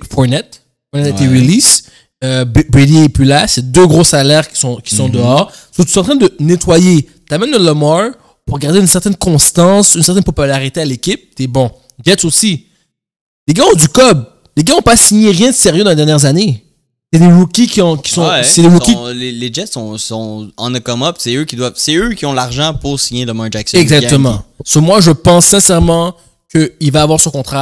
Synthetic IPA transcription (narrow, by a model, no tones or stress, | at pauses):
fɔnɛt̪ | fɔnɛt̪ɛt̪eʁilis | øbbeliːplylasɛd̪øɡʁosalɛʁkʲi̥sɔ̃kʲi̥sɔ̃d̪əɔːʁsot̪y̥sɑ̃t̪χɛ̃d̪ənet̪waje | t̪amɛnːəlɔmɔl | puʁɡaʁd̪eynsɛʁt̪ɛnkɔ̃st̪ɑ̃synsɛʁt̪ɛnpɔpylaʁit̪ealekʲip̚t̪ɛbɔ̃ | ɡɛt̪osi | leɡaɔ̃d̪ykɔb | leɡaɔ̃pasiɲeʁjɛ̃d̪əseʁjød̪ɑ̃led̪ɛʁnjɛʁzane | sɛd̪eʁukʲikʲiɔ̃kʲi̥sɔ̃sɛd̪ewukileled͡ʒɛt̪sɔ̃sɔ̃ɑ̃nəkɔmɔpsɛøkʲid̪wavsɛøkʲiɔ̃laʁʒɑ̃puʁsiɲeləmɔd͡ʒaksɛɡzak̚t̪əmɑ̃somwaʒəpɑ̃sːɛ̃sɛʁmɑ̃ | kəilvaːvwaʁsɔ̃kɔ̃t̪χa